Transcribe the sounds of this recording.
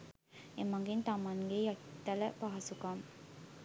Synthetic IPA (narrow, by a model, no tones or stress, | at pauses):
emaŋɡint̪amanɡejat̪t̪ːaləpaɦasukam